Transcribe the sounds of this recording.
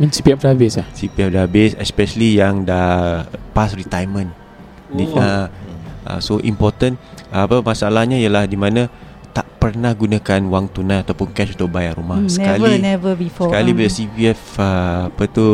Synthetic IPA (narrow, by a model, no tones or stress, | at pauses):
mĩnsipiɛfdabɪsasipiɛfdabɪsɛspɛʃəlijaŋda | pasrit̪ajmə̃n | dia | ə̰soʔḭmpɔt̪ənːpamasalahɲaijəlahdimãnã | t̪aʔpərnahɡunãkanwaŋt̪unãat̪awpʊnkɛt͡ʃunt̪ʊʔbajaɾumahsəkalinɛvəbifɔsəkalibidəsipiɛfəːpət̪u